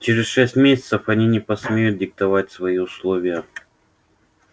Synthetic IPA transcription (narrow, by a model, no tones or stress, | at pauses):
t͡ɕeɾʲɪsʂɛsʲtʲmʲesʲɪ̥t̪səfɐnʲinʲɪpɐsmʲejʊt̪̚dʲɪk̚t̪ɐvatʲsvɐiʊslˠovʲɪjə